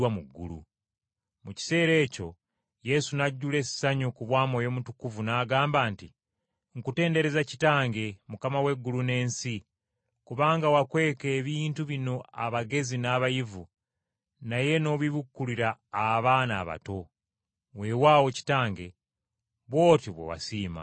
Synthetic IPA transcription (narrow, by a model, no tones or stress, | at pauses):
wamuɡːṵlṵ | muci̥se̞ːɾe̞ːco̞̰ | je̞sunaɟːule̞si̥saɲokuβwaːmoːjo̞ːmutukuvunaːɡaːmbaːnti | ŋ̩kute̞ːnde̞ɾe̞zaci̥taːŋɡe̞mukamawe̞ɡːulune̞ːnsi | kuβaːŋɡawakwe̞ːke̞ːβiːntuβino̞aβaɡe̞zinaβajivu | naje̞no̞βiβukːuliɾaːβaːna̰ːβa̰to̞ | we̞waːwo̞ci̥taːŋɡe̞̰ | βwo̞ːtiβwḛwa̰siːma̰